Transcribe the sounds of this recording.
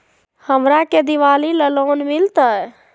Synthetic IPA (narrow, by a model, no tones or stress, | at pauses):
həmɾaked̪iʋaliləlonmilt̪əj